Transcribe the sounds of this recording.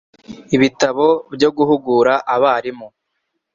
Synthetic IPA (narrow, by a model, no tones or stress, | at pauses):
iβitaβo̞bjo̞ɡuhuɡuːɾaʔaβaːɾimu